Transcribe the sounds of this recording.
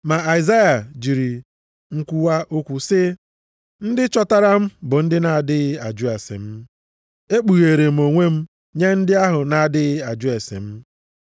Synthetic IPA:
ma˨a˨i˨za˦ja˨d͡ʒi˨ɾi˨ | ŋ̩˦kʷu˦wa˦ʔo˦kʷu˨sɪ˦ | n̩˦dɪ˦t͡ʃɔ˦ta˦ɾa˦m̩˦bʊ˨n̩˦dɪ˦na˨a˨dɪ˦ɣɪ˦a˨d͡ʒu˦e˨sḛ˨m̩˦ | e˦k͡pu˨ɣe˨ɾe˨m̩˨o˨ŋʷe˦m̩˦ | ɲe˦n̩˦dɪ˦a˦ɦʊ˨na˨dɪ˦ɣɪ˦a˨d͡ʒʊ˦e˨sḛ˨m̩˦

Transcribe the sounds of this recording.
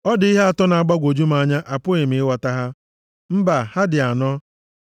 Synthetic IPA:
ɔ˦dɪ˨i˦ɦe˦a˨tɔ˦na˨a˨ɡ͡ba˦ɡʷo˨d͡ʒu˦m˦a˦˨ɲa˦ʔa˨pʊ˦e˨mɪ˨˦ɪ˦wa˨ta˦ɦa˦ | m̩˦ba˨ha˦dɪ˨a˨nɔ˦

